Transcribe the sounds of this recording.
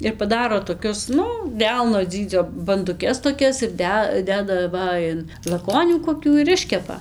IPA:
ɪr pɐˈdɑːroː toːˈkʲʊs ˈnʊ ˈdʲɛlˠnoː ˈd͡zʲiːd͡zʲoː bɐndʊˈkʲɛs toːˈkʲɛs ɪr ˈdʲɛ ˈdʲæːdɐ ˈʋɐ ɪn lˠɐˈkoːnʲuː koːˈkʲuː ɪr ˈɪʃʲkʲɛpɐ

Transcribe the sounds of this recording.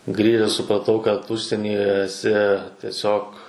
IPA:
ˈɡrʲiːʒʲɛs sʊprɐˈtɐʊ kɐt ˈʊʃʲsʲiɛnʲiːjɛ ɛˈsʲɪ tʲiɛˈsʲoːk

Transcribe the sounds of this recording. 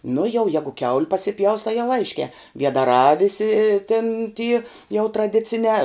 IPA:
nʊ jɛʊ ˈjæːɡʊ kʲɛʊlʲ pɐsʲɪˈpʲjɛʊs tɐɪ jɛʊ ˈɐɪʃʲkʲɛː ʋʲiɛdɐˈrɑː ˈʋʲɪsʲɪ tʲɪn tʲiː jɛʊ trɐˈdʲɪt͡sʲɪnʲɛː

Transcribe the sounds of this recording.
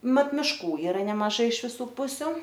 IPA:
ˈmɐt mʲɪˈʃkuː ˈiːrɐ nʲɛmɐˈʒɐɪ ɪʃ ʋʲɪˈsuː ˈpʊsʲʊ

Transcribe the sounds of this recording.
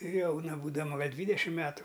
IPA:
ˈjɛʊnɐ buːdɐˈmɐ ˈɡɐlʲ ˈdʲʋʲiːdʲɛʃʲɪm ˈmʲæːtʊ

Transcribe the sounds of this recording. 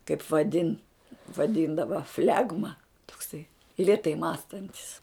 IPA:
kɐɪp ʋɐˈdʲɪn ʋɐˈdʲɪndɐʋɐ ˈfʲlʲæːɡmɐ toːkˈsɐɪ lʲeːˈtɐɪ ˈmɑːstɐnʲtʲɪs

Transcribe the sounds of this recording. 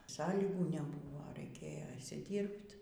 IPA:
ˈsɑːlʲiːɡuː nʲɛˈbʊʋoː rɐɪˈkʲeːjoː ɪʃʲsʲɪˈdʲiːrpt

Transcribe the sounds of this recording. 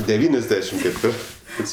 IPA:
dʲɛˈʋʲiːnʲɛzʲˌdʲæːʃʲɪm kʲɛtʲˈʋʲɪrtɜs

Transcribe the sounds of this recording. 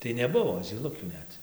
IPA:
tɐɪ nʲɛˈbʊʋoː zʲiːˈlˠʊkʲuː ˈnʲɛt

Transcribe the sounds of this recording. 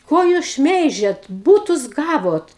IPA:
ˈkoː juːs ˈʃʲmʲɛɪʒʲɛt ˈbuːtʊs ˈɡɑːʋoːt

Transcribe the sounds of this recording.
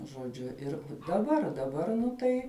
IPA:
ʒoːˈd͡ʒʲʊ ˈɪr dɐˈbɐr dɐˈbɐr nʊ ˈtɐɪ

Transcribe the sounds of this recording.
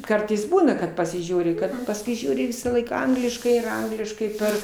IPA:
ˈkɐrtɐɪs ˈbuːnɐ kɐt pɐsʲɪˈʒʲuːrʲɪ ˈkɐt pɐsˈkʊɪ ˈʒʲuːrʲɪ ˈʋʲɪsɑːˌlˠɐɪk ˈɐŋɡlʲɪʃkɐɪ ɪr ˈɐŋɡlʲɪʃkɐɪ ˈpʲɛr

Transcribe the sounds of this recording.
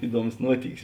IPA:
ˈɪˌduɔmʊs ˈnuɔtʲiːkʲɪs

